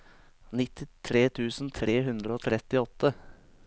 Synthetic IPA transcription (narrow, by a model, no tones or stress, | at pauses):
nɪt̪ɪt̪ʰɾeːt̪ʰʉːsn̩t̪ʰɾeːɦʉnd̪ɾəoːt̪ʰɾɛt̪ɪɔt̪ːə